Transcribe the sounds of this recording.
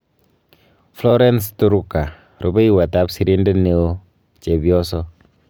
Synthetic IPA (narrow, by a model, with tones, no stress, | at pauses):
flɔ˦ɾɛ˦ns̬tu˦ɾu˦ka˨ | ɾo˨be˦i˦wa˨ta˨˦psi˦ɾi˦ndɛ˦ne˨o˦ | t͡ʃe˨bjɔ˦sɔ˦